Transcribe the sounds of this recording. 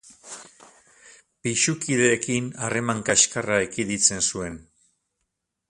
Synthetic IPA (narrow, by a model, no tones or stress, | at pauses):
piʃukiðe̞ːkinare̞maŋkaʃkaraekiðit͡se̞nsue̞n